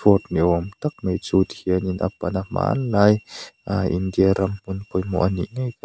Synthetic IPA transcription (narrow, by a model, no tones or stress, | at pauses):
ut̪̚niʔɔmt̪ɐk̚mejt͡sut̪ʰiəninʔa̰panama̰ːnlaːjaʔind̪iaɾɐmm̥unpʰɔjmɔ̰ʔanḭʔŋajk